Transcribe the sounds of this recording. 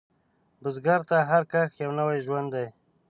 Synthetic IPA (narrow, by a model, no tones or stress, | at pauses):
bʊzɡaɾt̪aɦaɾkaxjawnəwajʒwand̪ːaj